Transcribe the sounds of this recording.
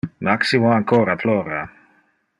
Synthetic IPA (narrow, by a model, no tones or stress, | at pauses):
maksimoaŋkʰoːɾaploːɾa